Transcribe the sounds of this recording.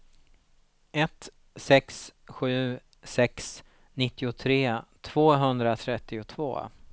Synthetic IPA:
ɛt̪ | sɛksɧʉ̟ː | sɛks | nɪt̪ːɪʊt̪ʰɾeːt̪ʰv̥oːɦɵnd̪ɾat̪ʰɾɛt̪ːɪʊt̪ʰvo̰ː

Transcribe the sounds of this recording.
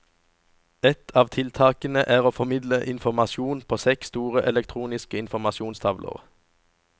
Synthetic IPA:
ɛt̪ʰɑːʋt̪ʰɪlt̪ʰɑːkənəʔæːʁoːfɔmɪd̪ləʔɪnfɔʁmɑʃuːnpʰoːsɛkst̪uːʁəʔɛlɛk̚t̪ʰʁuːnɪskəɪnfɔʁmɑʃuːnst̪ʰɑʋlə̰ʁ

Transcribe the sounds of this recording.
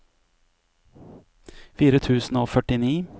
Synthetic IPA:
fiːɾət̪ʰʉːsn̩oːfœʈɪniː

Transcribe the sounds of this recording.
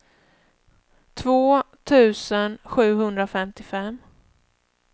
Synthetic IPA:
t̪ʰvoːt̪ʰʉ̟ːsənɧʉ̟ːɦɵnd̪ɾafɛmt̪ɪfɛm

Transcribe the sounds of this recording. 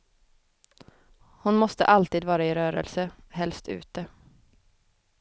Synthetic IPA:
hʊnmɔst̪ə̰ʔalt̪iːd̪vɑːɾaɪɾøːɾə̰lsə | ɦɛlst̪ʰʉ̰ːt̪ə

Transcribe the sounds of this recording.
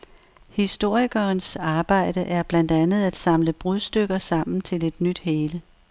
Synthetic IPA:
hisd̥o̝ɐ̰iɡ̥ɐːnsɑ̈ːb̥ɑ̈ɪ̰d̥əʔæɐb̥læn̰d̥ænð̞̩ˠæd̥sɑ̈mləb̥ʁuðˠsd̥øɡ̥ɐsɑ̈m̰n̩t͡sʰe̝le̝d̥nyd̥heːlə

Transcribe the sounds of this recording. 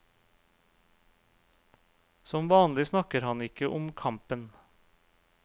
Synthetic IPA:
sɔmʋɑːnlɪsnɑkəɾhɑnɪkəʔʊmkʰɑmpən

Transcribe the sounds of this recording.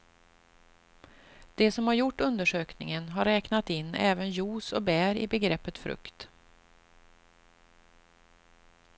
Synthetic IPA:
d̪̥ɛsɔmhaɾjʊʈːɵnd̪əʂøːknɪ̰ŋənɦaɾːɛːknat̪ɪnːɛːvənjuːsɔbæːɾɪ̰bɛɡɾɛpːət̪fɾɵ̰kt̪

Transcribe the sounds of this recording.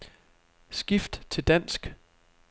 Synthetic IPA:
sɡ̥ifd̥t͡sʰe̝ld̥æn̰sɡ̥

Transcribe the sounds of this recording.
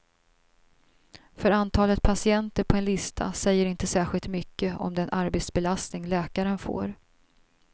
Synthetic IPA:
fœɾant̪ʰɑːlət̪̚pʰasɪɛnt̪əɾpʰɔɛnlɪst̪ʰa̰sɛjːəɾɪnt̪əsæːɧɪlt̪mʏkːəɔ̰md̪ɛnʔaɾbeːt̪sbɛlast̪nɪŋlɛːkaɾənfo̰ːɾ

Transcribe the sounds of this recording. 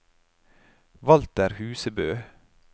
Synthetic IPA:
ʋɑlt̪æːɾhʉːsəbøː

